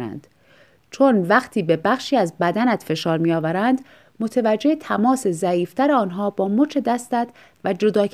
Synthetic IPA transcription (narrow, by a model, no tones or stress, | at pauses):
næ̰nd̪̥ | t͡ʃʰonvæxt̪ʰiːbe̞bæxʃiːæzbæd̪ænæt̪fe̞ʃɒːɾmiːɒːvæɾænd̪ | mo̞t̪ʰevæd͡ʒːe̞het̪ʰæmɒːse̞zæiːft̪ʰæɾeɒːnɦɒːbɒːmot͡ʃʰe̞d̪æst̪æd̪̥ | væd͡ʒo̞d̪ɒːk